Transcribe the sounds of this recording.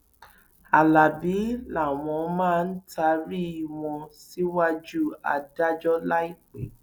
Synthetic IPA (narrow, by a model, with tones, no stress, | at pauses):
a˨la˨bi˨˦la˦˨w̃ɔ̃˧mãː˦˧n̩˦ta˧ɾi˦i˧w̃ɔ̃˧si˦wa˦d͡ʒu˦a̰˧da˦d͡ʒɔ˦la˦i˦˨k͡pe˨